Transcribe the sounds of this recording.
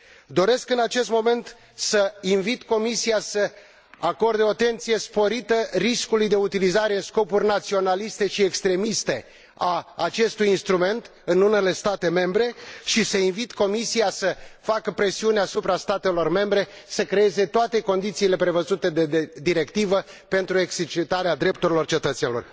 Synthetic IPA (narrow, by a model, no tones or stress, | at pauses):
d̪o̞ɾe̞skɨnat͡ʃe̞st̪mo̞me̞nt̪ | səinvit̪ko̞misiasə | ako̞rd̪eoat̪e̞nt̪sije̞spo̞ɾit̪əriskulujd̪e̞ut̪ilizaɾeɨnsko̞purʲnat̪sio̞nalist̪e̞ʃiekst̪ɾe̞mist̪e̞ | aːt͡ʃe̞st̪ujinst̪ɾume̞nt̪ | ɨnune̞le̞st̪at̪e̞me̞mbɾe̞ʃisəinvit̪ko̞misiasəfakəpɾe̞siuneasupɾast̪at̪e̞lo̞rme̞mbɾe̞səkɾe̞e̞ze̞t̪oat̪e̞ko̞nd̪it̪siːle̞pɾe̞vəzut̪e̞d̪eed̪iɾe̞kt̪ivəpe̞nt̪ɾue̞ɡset͡ʃit̪aɾead̪ɾe̞p̚t̪uɾilo̞rt͡ʃe̞t̪ət̪senilo̰r